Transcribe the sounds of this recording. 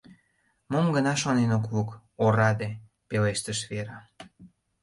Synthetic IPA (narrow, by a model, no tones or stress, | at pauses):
momɡənɑʃonenok̬βuk | oɾɑd̪e | peleʃt̪əʃβeɾɑ